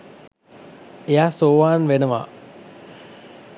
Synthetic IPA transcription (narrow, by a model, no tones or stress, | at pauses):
ejasoːʋaːnʋenəʋa̰